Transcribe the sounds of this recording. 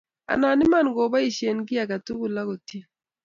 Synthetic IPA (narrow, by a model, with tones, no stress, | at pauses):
a̰˨na˨nɪ˦ma˦˨nɡo˨ba˦i˨ʃje˨nɡɪ˦a˨ka˨tu˦ɡu˨la˦ko˨ti˦